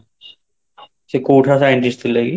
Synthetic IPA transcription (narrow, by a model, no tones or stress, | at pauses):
sekoːʈʰasaːjɪɳʈɪst̪ɪlɛːɡi